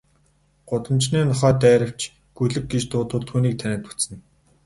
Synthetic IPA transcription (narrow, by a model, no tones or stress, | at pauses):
ɢ̥ʊt̪ə̆mt͡ɕneːnʊχæːt̪æːɾə̆w̥t͡ɕʰ | ɡ̥ɵɮɘ̆k̚ɡit͡ɕt̪ʊːt̪ʊ̆ɮt̪xuːniːk̚t̪ʰænɪ̆ːt̪u̥t͡sɘ̆n